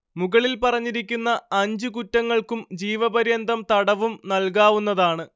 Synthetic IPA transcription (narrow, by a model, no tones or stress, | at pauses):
muɣɐɭilpɐrɐɲːiɾikʲːunːɐɐɲd͡ʑɨkutːɐŋːɐɭkumd͡ʑiːʋɐbɐɾjɐnd̪ʱɐmt̪ɐɽɐʋumnɐlk̬aːʋunːɐðaːɳɨ